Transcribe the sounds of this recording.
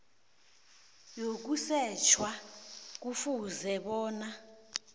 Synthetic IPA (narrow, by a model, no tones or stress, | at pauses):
jok̬usɛt͡ʃʰwak̬ufuzɛɓɔːna